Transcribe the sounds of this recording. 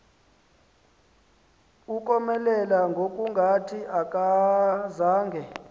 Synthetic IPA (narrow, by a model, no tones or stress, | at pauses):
uk̬ʼɔmɛlɛlaŋɡʱokʼuŋɡʱatʰiʔak̬ʼazaːŋɡʱɛ